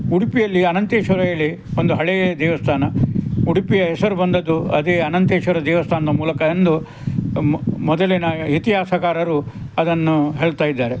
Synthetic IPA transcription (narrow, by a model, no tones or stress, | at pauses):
uɽipijɐlːiɐnɐnt̪eːʃʋɐɾɐjɐɭːi | ond̪uɦɐɭɛjed̪ɛːʋɐst̪ʰaːnɐuɽipijɐɦɛsɐɾubɐnd̪ɐd̪uɐ̰d̪eːɐnɐnt̪eːʃʋɐɾɐd̪ɛːʋɐst̪ʰaːnɐd̪ɐmuːlɐkɐend̪u | mɔd̪ɐlinɐit̪iɦaːsɐkaːɾɐɾuɐd̪ɐnːuɦeːɭt̪aːjid̪ːaːɾe̞